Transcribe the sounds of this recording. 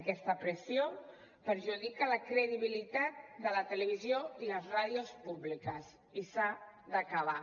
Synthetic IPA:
kɛst̪əpɾəsio | pəɾʒuðikələkɾəðiβilit̪at̪̚d̪ələt̪ələβ̞izjoiləzraðiospuβlikəs | isa | d̪əkəβ̞a

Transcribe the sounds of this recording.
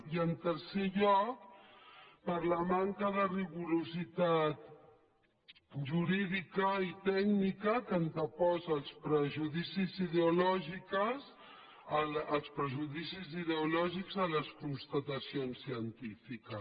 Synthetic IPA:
iənt̪əɾseʎɔk̚ | pəɾləmaŋkəðəriɣuɾuzit̪at̪̚ | ʒuɾiðikəit̪ɛɡnikəkənt̪əpɔzːlˠspɾəʒuðisiziðeulɔʒikəz | əəlˠspɾəʒuðisiziðeulɔʒiɡzələskunst̪ət̪əsionsːiənt̪ifikə

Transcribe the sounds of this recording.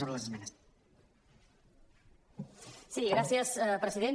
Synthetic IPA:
oɾələzezmɛnəs | siɣɾasjəspɾəsiðe

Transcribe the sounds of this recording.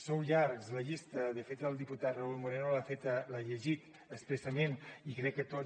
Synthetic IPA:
sowʎaɾkzləʎist̪əðəfet̪əlˠd̪iput̪at̪rəulˠmuɾenolafet̪laʎəʒit̪ | əspɾesəmenikɾɛkːət̪o

